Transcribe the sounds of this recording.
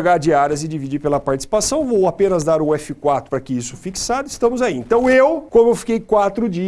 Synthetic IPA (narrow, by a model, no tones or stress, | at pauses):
ɡaɾd͡ʒɪaɾɐzɪd͡ʒivid͡ʒiɾpelɐpaɾt͡ʃisi̥pasɐ̃w̃vowapẽnɐzd̪aɾũɛfɪkwat̪ɾʊpɾɐkɪisʊ̥fiksad̪ʊɪ̥st̪ɐ̃mʊzaiẽnt̪ɐ̃w̃ewkõmʊewfi̥kejkwat̪ɾʊd͡ʒi